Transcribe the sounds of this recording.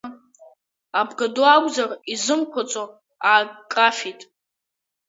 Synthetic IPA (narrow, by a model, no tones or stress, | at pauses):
abɡadoaɡʷʼzarizɨmkʷʰat͡sʼo | akʼafitʼ